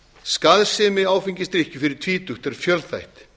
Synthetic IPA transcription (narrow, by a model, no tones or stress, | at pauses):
skaðsɪːmɪaːwfiɲcɪst̪ɾihcʏfɪɾɪɾ̥t̪ʰviːt̪ʏht̪ɛɾ̥fjœlθajht̪